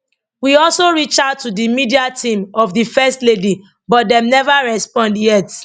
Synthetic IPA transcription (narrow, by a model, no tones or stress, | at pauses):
wiɔlsoɹit͡ʃattːudimidiatʰĩmɔvðifɛstledi | bɔt̚dɛ̃mnɛvaɹɛspɔ̃ndjɛt